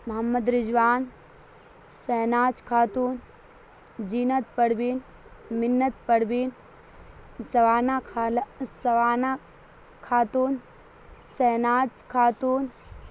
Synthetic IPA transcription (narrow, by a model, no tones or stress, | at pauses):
mɐɦɐmːəd̪ɾɪd͡ʒʋaːn | sɛːnaːt͡ʃkʰaːt̪uːn | d͡ʒinɐt̪̚pɐɽbin | mɪnːət̪̚pɐɽbin | sɐʋaːnakʰːlsɐʋaːna | kʰaːt̪uːn | sɛːnaːt͡ʃkʰaːt̪uːn